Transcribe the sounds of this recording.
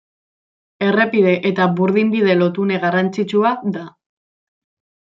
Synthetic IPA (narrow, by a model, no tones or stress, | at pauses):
e̞re̞pið̞e̞ʔet̪aβuɾðimbiðe̞lo̞t̪une̞ɣarant͡sit͡ʃuad̪a